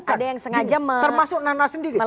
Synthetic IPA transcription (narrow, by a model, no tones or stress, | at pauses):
adajaŋsəŋad͡ʒamətərmasʊk̚nanasəndiɾim